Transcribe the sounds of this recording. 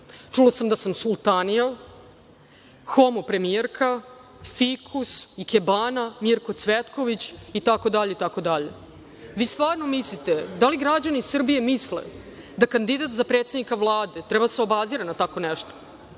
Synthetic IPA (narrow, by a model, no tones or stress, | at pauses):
t͡ʂulasamd̪asamsulˠt̪anial | xomopɾe̞mijeɾkʰa | fikʰusikebaːnamiɾko̞t̪sʋet̪ko̞ʋit͡ɕit̪ako̞d̪aʎeit̪ako̞d̪aʎḛ | ʋiːst̪vaːɾnomislit̪ed̪aliɡɾad͡ʑanisr̩bije̞mislḛ | d̪akand̪id̪at̪zapɾet̪sed̪nikaʋlˠaːd̪e̞t̪ɾɛbad̪aseo̞baziɾanat̪ako̞nɛʃt̪o̥